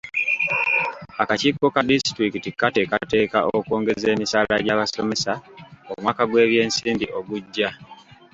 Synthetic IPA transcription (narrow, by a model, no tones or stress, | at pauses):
akacikːo̞kadistɾikitikate̞kate̞ːka̰ʔokwo̞ːŋɡe̞ze̞ːmisalaɟaβaso̞me̞sao̰mwaːkaɡwe̞ːβje̞ːnsiːmbiʔo̞ɡuɟːa